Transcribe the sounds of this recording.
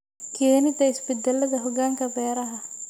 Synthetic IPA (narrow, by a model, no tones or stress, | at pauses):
kʰeːnɪt̪ʰɐɪsbɛd̪ɛlːɐðɐɦɔɡaːŋkʰɐbɛːɾɐɦɐ